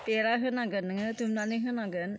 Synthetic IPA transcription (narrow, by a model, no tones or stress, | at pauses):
peɾaɦɯnaɡɯnːɯŋɯtumnanɯɦɯnaɡɯn